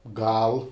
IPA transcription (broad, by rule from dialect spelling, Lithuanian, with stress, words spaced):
ˈɡɐlˠ